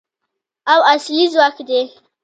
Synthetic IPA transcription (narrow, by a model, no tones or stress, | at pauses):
awasjizwakʰde